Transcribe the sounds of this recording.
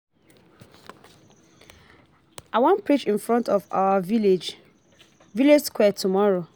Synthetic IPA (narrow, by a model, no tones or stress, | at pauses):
aɪwɔ̃npɹit͡ʃĩnfɹɔ̃ntɔva̰waviled͡ʒ | viled͡ʒskwɛtʰumɔɹo